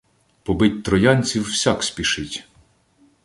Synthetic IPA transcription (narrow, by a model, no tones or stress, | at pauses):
pɔbɪtʲt̪ɾɔjɑnʲt͡sʲiwːsʲɑksʲpʲiʃɪtʲ